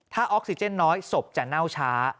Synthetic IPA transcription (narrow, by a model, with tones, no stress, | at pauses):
t̪ʰaː˥˩ʔɔː˦˥k̚si˧˩t͡ɕe˥˩nːɔː˦˥jso˨˩p̚t͡ɕa˨˩na˥˩wt͡ɕʰaː˦˥